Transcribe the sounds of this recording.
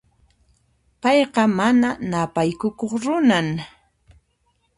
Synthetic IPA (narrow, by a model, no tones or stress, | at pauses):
pɑjqɑmananapajkʊkoχɾʊnaŋ